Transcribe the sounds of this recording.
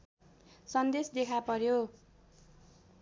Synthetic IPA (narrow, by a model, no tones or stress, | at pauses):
sʌnd̪esd̪ekʰapʌɾjo